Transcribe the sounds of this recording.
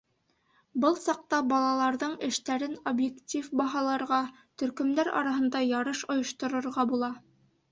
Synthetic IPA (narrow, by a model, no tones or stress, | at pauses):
bɤlˠsɑq̚t̪ɑbɑlˠɑlˠɑɾðɤɴɘ̆ʃt̪æɾɘnobjektʲifbɑɦɑlˠɑɾʁɑ | t̪ɵ̆ɾkɵ̆md̪æɾɑ̰ɾɑɦɤ̆nd̪ɑjɑɾɤʃŏjŏʃt̪ŏɾŏɾʁɑbulˠɑ